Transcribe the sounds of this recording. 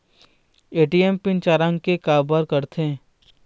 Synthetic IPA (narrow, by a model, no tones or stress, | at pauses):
eːʈiɛmpɪnt͡ʃaːɾãŋɡkekaːbaɾkɐɾt̪ʰe